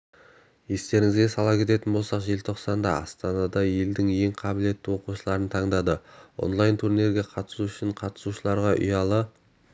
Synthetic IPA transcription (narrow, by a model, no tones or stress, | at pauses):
je̞st̪e̞ɾɪŋɪzɡʲe̞sɑlˠɑpkʲʰe̞t̪e̞t̪ɪnbo̞lˠsɑqʒe̞lt̪ʰo̞qsɑnd̪ɑɑ̰st̪ɑnɑd̪ɑje̞ld̪ɪŋje̞ŋqʰɑbɪle̞t̪ːɪwo̞quʃəlˠɑɾənt̪ʰɑɴd̪ɑd̪əo̞̰nlˠɑjnt̪ʰuɾneɾɡʲe̞qʰɑt̪ə̥suʏʃɪɴqʰɑt̪ə̥suʃəlˠɑɾʁɑʔʏ̰jɑlˠə